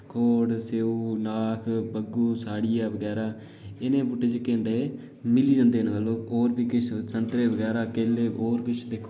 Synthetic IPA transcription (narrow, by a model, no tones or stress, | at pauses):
kʰoːɽseːuːnaːkʰbəɡuːsaːɽɪjaːʋəɡɛːɾaː | ɪnẽːbuʈeːd͡ʒkẽːnd̪eː | mɪliːd͡ʒãːnd̪eːnʋəlːõːoːɾpiːkɪt͡ʃʰsənt̪ɾeːʋəɡɛːɾaːkeːleːoːɾkɪt͡ʃʰd̪eːkʰoː